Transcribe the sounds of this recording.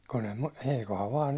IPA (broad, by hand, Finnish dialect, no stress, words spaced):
kun em mɑ eikohɑʋ ʋɑːn